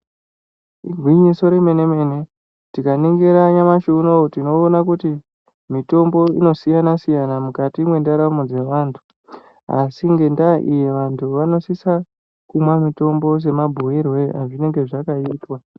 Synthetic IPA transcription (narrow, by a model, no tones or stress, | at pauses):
iɡʱwiɲiso̞ɾe̞me̞ne̞me̞ne̞ | tikaneŋɡe̞ɾaɲamaʃunotino̞ːnakuti | mito̞mbo̞ḭno̞sijanasijanamukatimwe̞ndaɾamod͡ze̞ʋaːntʰu̥ | a̰siŋɡe̞ndaʔijeʋantʰuʋano̞sisa | kumwamito̞mbo̞s̬e̞mabʱoirwe̞aʐine̞ŋɡe̞ʐakaiːtwa